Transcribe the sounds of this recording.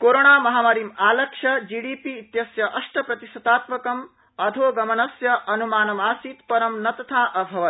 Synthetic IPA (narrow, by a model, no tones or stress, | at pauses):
koːɾoːɳaːmɐɦaːmɐɾimaːlɐkʂɐd͡ʒiːɖiːpiːt̪jɐsjɐʔɐʂʈʰɐpɾɐt̪isɐt̪aːt̪mɐkɐm | ɐd̪ʱoːɡɐmɐnɐsjɐʔɐnumaːnɐmaːsiːt̪pɐɾɐmnɐt̪ɐt̪ʰaːʔɐbʱɐʋɐt̪